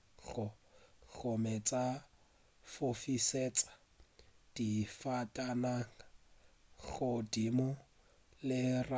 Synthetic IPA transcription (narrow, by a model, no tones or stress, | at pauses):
ɣʊɬɔmɛt͡sʼa | fofiset͡sʼḁ | d̥ifatʼanaŋa | ɣʊdimʊ | lɪra